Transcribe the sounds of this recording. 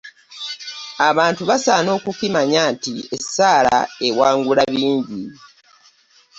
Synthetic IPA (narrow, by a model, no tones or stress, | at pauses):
aβaːntuβasaːno̞ːkukimaɲaːntiesːaːla̰e̞waːŋɡulaβiːɲɟi